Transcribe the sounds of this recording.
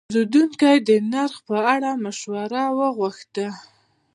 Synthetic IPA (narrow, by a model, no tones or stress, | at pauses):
ɾud̪uŋkajd̪ənaɾxpəaɽamaʃwaɾawəɣwaxt̪a